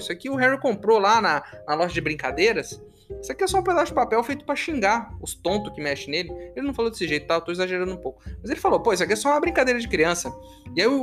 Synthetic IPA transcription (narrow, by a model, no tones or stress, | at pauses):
sɐkiʊɦɛɾikõmpɾolanɐnɐlɔʒɐd͡ʒɪbɾĩŋkad̪ejɾɐs | sɐkiɛsɔũped̪asʊd͡ʒɪpapɛwfejt̪ʊ̥pɾɐʃĩŋɡaʊst̪õnt̪ʊkɪmɛʃɪnelɪelɪnɐ̃w̃falod̪e̥sɪʒejt̪ʊt̪awewt̪oizaʒeɾɐ̃d̪ʊũpowkʊmɐzelɪfalopojs̬ɐkiɛsɔũmɐbɾĩŋkad̪ejɾɐd͡ʒɪkɾiɐ̃sɐ | ɪai